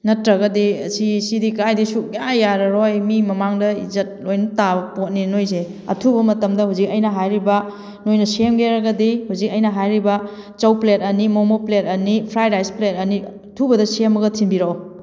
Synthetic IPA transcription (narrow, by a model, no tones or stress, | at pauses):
nɐtɾɐɡɐdisisidikajdisuk̚ajaɾɐɾojmimɐmaŋdɐizɐt̚lojnɐtabɐpot̚ninojs̬eɐ̰tʰubɐmɐtɐmdɐhuzik̚ɐjnɐɦajɾibɐ | nojnɐsemɡeɾɐɡɐdihuzik̚ɐjnɐɦajɾibɐ | t͡ʃɐwplet̚ɐnimomoplet̚ɐnipʰɾajɾajsplet̚ɐni | tʰubɐdɐsiemɐɡɐtʰimbiɾɐo